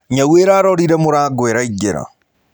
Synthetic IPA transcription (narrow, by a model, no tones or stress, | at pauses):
ɲaweːɾaːɾɔɾiɾɛmoɾaːɡweɾaiɟeɾa̰